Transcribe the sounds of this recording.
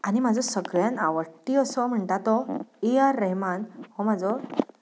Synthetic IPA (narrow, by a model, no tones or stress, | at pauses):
añimad͡zʱɔsəɡɭjanaʋəʈiəsɔm̤əɳt̪at̪ɔijaɾːəɦimanhɔmad͡zɔ